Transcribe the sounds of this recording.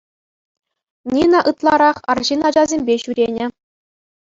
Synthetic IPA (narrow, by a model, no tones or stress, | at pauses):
nʲinɑ̆ʔɯt̪lˠɑɾɑχɑ̰rʑinɑd͡ʑɑzʲemʲbʲeɕuɾʲenʲɘ̆